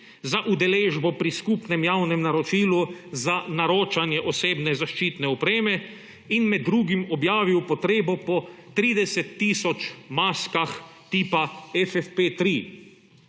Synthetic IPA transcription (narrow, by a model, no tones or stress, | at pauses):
zaʔud̪ɛleːʒbɔpɾiskupnɛmjawnɛmnaɾɔt͡ʃiːluzanaɾoːt͡ʃanjɛʔɔseːbnɛzaʃt͡ʃiːt̪nɛɔpɾeːmɛ | inmɛd̪ːɾuːɡimɔbjaːʋiwpɔt̪ɾeːbɔpɔt̪ɾiːd̪ɛsɛt̪ːiːsɔt͡ʃmaːskaxt̪iːpaɛfɛfpet̪ɾi